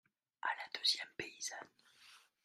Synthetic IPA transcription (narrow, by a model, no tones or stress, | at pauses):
alad̪øzjɛmpeiz̥an